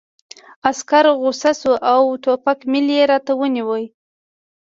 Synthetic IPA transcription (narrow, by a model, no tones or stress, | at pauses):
askaɾɣʊsasuʔawʈopakmɪljeɾɑt̪awəniwəj